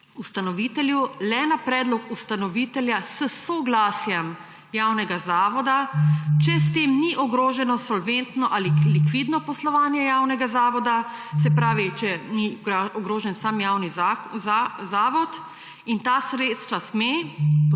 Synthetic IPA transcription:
ust̪anɔʋit̪ɛljulɛnapɾɛːd̪lɔkust̪anɔʋit̪ɛljasəsɔɡlaːsjɛm | jawnɛɡazaːʋɔd̪at͡ʃɛs̬t̪eːmniʔɔɡɾoːʒɛnɔsɔlʋent̪nɔʔalilikʋid̪nɔpɔslɔʋaːnjɛjawnɛɡazaːʋɔd̪asɛpɾaːʋit͡ʃɛniɔɡɾoːʒɛnsaːmjaːwni | zaːʋɔt̪ | int̪asɾeːt̪st̪ʋasme

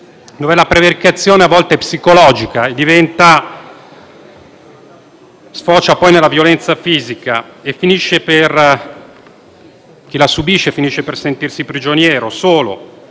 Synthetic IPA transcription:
d̪ovɛlapɾeverikat̪sːjoːneavːɔlt̪epsikolɔːd͡ʒikaed̪ːivɛnt̪a | sfɔːt͡ʃapɔjnelːavjolɛnt̪safiːzika̰efːiniʃːeper | k̟ilasubiʃːefiniʃːepersent̪irsipɾid͡ʒonjɛːɾosoːlo̰

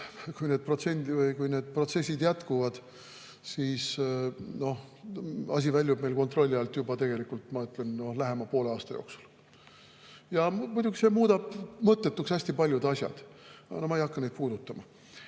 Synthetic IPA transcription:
kujne̞ːd̪̚pro̞t̪se̞nd̪ivɤjkujneːd̪̥̚pro̞t̪se̞s̬ʲːid̪jæt̪kuvɑd̪̥ | siːsno̞h | ɑ̰s̬ʲivælʲjub̚me̞jlko̞nt̪ro̞lʲːiɑlt̪jubɑt̪e̞ɡ̥e̞likult̪mɑyt̪ˑle̞nno̞hlæɦe̞mɑpoːleɑːst̪ɑjo̞̰ːksu̥l | jɑmud̥̪ʲuɡise̞muːd̪̥ɑb̥mɤt̪ːe̞t̪ːˑuksæsʲt̪ipɑlʲjud̪ɑsʲjɑ̰d̪̥nomɑejɑkːɑne̞jd̪̚puːd̪̥ut̪ːˑɑmɑ

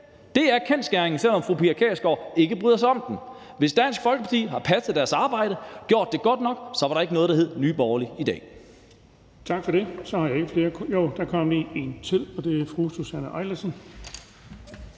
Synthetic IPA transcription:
d̥e̝æɐkʰensɡ̥æɐeŋn̩sel̰ɒ̽mfʁupʰiækʰɛ̰ːsɡ̥ɒ̰e̝ɡ̥əb̥ʁyðˠɐs̬ɑ̈ɪɒ̽md̥em | ʋe̝sd̥æn̰sɡ̥fɒ̽lɡ̥əpʰɑ̈t͡sʰḭːɦɑ̈pʰæsəð̥ˠæɐsɑ̈ːb̥ɑ̈ɪ̰ɾ̥əɡ̥jo̝ɐ̰d̥ːe̝ɡ̥ɒ̽d̥nɒ̽ɡ̥sɒ̽ʋɑ̈ɾɑ̈e̝ɡənɔ̽ːð̩ˠdɑ̈ɦe̝ð̰ˠnyːb̥ɒːɐliid̥ɛ̰ː | t͡sʰɑ̈ɡ̥fɒɾe̝sɒ̽hɑ̈jäe̝ɡ̥əfle̝ːɐjoʊd̥ɑ̈kʰɒmlie̝nt͡sʰið̰ˠɒ̽d̥e̝æɐfʁususænəʔɑ̈ɪlɐsən

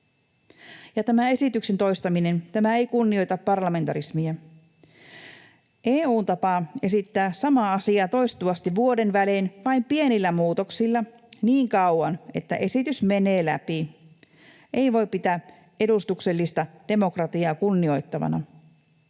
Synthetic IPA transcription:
jɑt̪æmæe̞sit̪yksent̪o̞jst̪ɑmine̞nt̪æmæeikunːio̞jt̪ɑpːɑrlɑme̞nt̪ɑɾismiæ | ʔeːuːnt̪ɑpɑe̞sit̪ːæːsɑmɑɑsiɑt̪o̞jst̪uɑst̪iʋuo̞de̞nʋælenʋɑimpienilːæmuːt̪oksilːɑ | niːŋkɑwɑne̞t̪ːæ̰ʔe̞sit̪ysme̞neːlæ̰pi | ʔeiʋo̞jppit̪æ | e̞ɾust̪ukse̞lːist̪ɑd̥e̞mo̞krɑt̪iɑːkunːio̞jt̪ːɑʋɑ̰nɑ̰

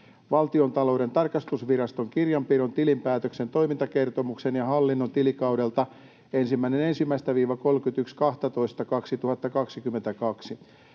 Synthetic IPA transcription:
ʋɑlt̪io̞nt̪ɑlo̞uɾe̞nt̪ɑrkɑst̪usʋirɑst̪o̞ŋkirjɑmpiront̪ilimpæːt̪økse̞nt̪o̞jmint̪ɑke̞rt̪omuksenjɑhɑlːinːont̪ilikɑwdelt̪ɑ | ensimːæinene̞nsimːæist̪æʋiːʋɑko̞lkyt̪ykskɑht̪ɑt̪o̞ist̪ɑkɑksit̪uhɑt̪ːɑkɑksikymːent̪ækɑksi

